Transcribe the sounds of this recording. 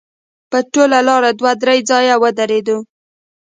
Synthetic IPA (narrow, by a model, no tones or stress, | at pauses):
pəʈolalɑɾad̪wad̪ɾajd͡zɑjawəd̪aɾed̪u